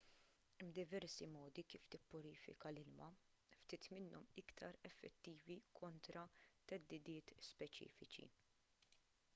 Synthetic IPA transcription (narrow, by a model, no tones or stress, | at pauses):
bd̪ɪvɛɾsimɔːd̪ikiːft̪ɪpːʊɾiːfɪ̰kɐlɪlmɐ | ft̪iːt̪mɪnːɔmɪkt̪ʰɐɾɛfːɛt̪ːiːvikʰɔnt̪ɾɐt̪ɛd̪ːɪd̪ɪːt̪spɛt͡ʃḭːfɪt͡ʃḭ